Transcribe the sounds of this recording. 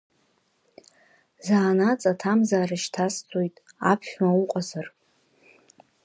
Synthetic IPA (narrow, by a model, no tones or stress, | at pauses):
zaːnat͡sʼatʰamzaːɾaʃtʰast͡sʰʼojtʼ | apʰʃᶣmauqʼazar